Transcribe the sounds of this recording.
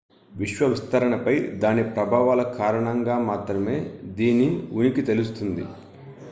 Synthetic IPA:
ʋiʃʋɐʋist̪ɐɾɐɳɐpɐjd̪aːnipɾɐbʱaːʋaːlɐkaːɾɐɳɐŋɡaːmaːt̪ɾɐme̞ːd̪iːnːiunikit̪e̞lust̪und̪i

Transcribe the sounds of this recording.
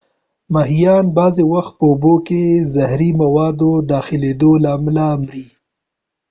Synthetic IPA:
maɦijɑnbɑzewaxt̪̚pəʊbokezahɾimawɑd̪od̪ɑxɪled̪olamlaːmɾi

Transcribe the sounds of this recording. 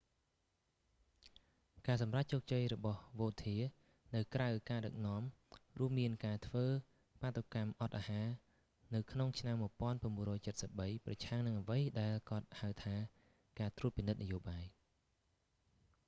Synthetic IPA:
kaːsɑmrac̚t͡ɕoːk̚t͡ɕəjrɔɓɑhʋoːt̪ʰiə | nɨwkrawkaːɗɨk̚nŏəmruəmːiənkaːt̪ʰʋəː | pat̪ːokamʔɑt̪̚ʔaːhaː | nɨwkʰnoŋt͡ɕʰnamːuəpŏənp̆əmuərɔːjt͡ɕət̪̚səp̚ɓəjprɑ̰t͡ɕʰaŋnɨŋʔəʋəjɗaɛlkŏət̪̚haɨwt̪ʰaː | kaːt̪ruət̪̚pinɨt̪̚najoːɓaːj

